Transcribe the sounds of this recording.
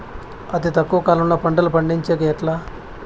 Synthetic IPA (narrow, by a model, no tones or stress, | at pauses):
ɐt̪it̪ɐkːuʋɐkaːlɐmloːpɐɳɖɐlupɐɳɖiɲt͡ʃeːkɐɛʈlaː